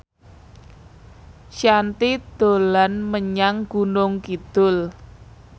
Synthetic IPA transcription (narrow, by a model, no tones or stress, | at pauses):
ʃjant̪id̪̥o̤lanməɲaŋɡ̥unʊŋkid̪̥ʊl